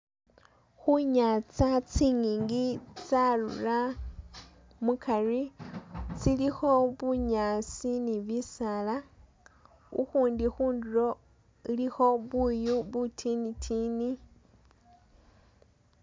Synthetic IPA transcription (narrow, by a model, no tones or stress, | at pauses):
xuɲat͡sat͡siːŋiːŋɡit͡salṵra | mukʰari | t͡silixo̞βuɲasiniβisala | ṵxuːndixuːndulo̞ | ilixo̞βujuβutʰinitʰini